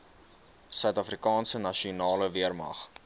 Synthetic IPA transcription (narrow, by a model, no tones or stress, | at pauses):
sœɥtɐfrikɑːnsənɐʃiunɑːləviərmɐ̰χ